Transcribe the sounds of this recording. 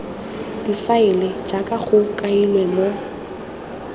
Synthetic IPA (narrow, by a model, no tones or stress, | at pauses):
d̥ifaɪlɪd͡ʒakʼaχʊkʼailwɛmo